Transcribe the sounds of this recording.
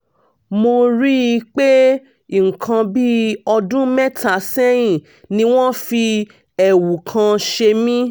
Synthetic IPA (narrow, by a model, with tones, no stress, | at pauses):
mo˧ɾi˦i˧k͡pe˦˨ | ŋ̩˨kʰã˧bi˦ɔ˧dũ˦mɛ˦tʰa˨sɛ˦jĩ˦˨ | nĩ˧w̃ɔ̃˦fi˧ | ɛ˨wu˨kʰã˧ʃe˧mĩ˦